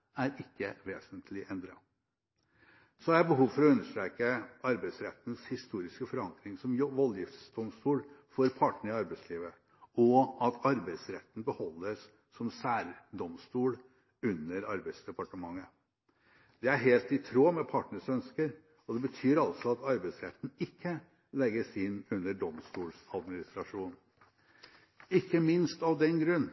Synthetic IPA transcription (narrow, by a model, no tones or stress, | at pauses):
æɾɪkːəʋeːsənt̪ʰlɪʔɛnd̪ɾɑ | sɔææbəɦuːʋfɔɾɔʉnːəʂt̪ɾeːkəʔɑɾbæɪsɾɛt̪ːn̩shɪst̪uːɾɪskəfɔɾɑŋklɪŋsɔmʋɔljɪft̪sd̪ɔmst̪uːlfɔɾpʰɑʈɳəɪɑɾbæɪsliːʋə | ɔɑt̪ʰɑɾbæɪsɾɛt̪ːn̩bəhɔlːəsː | ɔmsæːɾd̪ɔmst̪uːl | ʉnːəɾɑɾbæɪsd̪ɛpɑʈəmɑŋːə | d̪̥ɛæɾɦeːlt̪ɪt̪ʰɾoːmɛpʰɑʈɳəsœnskəɾ | ɔd̪ɛbət̪ʰyːɾɑlsɔɑt̪ɑɾbæɪsɾɛt̪ːn̩ɪkʰːə | lɛɡːəsɪnːʉnːəɖɔmst̪uːlsɑd̪mɪnɪst̪ɾɑʂuːn | ɪkːəmɪnst̪ɑʋd̪ɛnɡɾʉnː